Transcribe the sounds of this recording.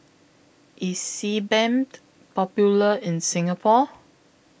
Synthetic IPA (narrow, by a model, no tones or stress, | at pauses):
ʔisibɛ̃nt | pɔpjuləɪ̃nsɪ̃ŋapʰɔ